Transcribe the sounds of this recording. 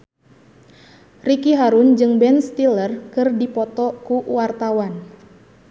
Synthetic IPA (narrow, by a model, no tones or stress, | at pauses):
rikiɦaɾund͡ʒɨŋbɛnst̪ilərkɨrdipɔt̪ɔkuwart̪awan